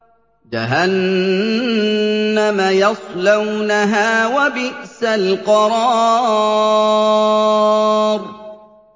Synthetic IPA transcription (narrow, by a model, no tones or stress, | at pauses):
d͡ʒa̰ɦan | amajɑsˤlawnaɦaːwabɪʔsalqɑɾˤɑː | ɾˤ